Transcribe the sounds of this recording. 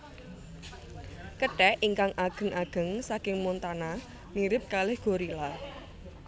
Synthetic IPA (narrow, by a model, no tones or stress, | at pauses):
kəʈɛʔiŋkaŋʔaɡ̥ə̤ŋʔaɡ̥ə̤ŋsakɪŋmɔnt̪ana | miɾɪp̚kalɪhɡ̥o̤ɾila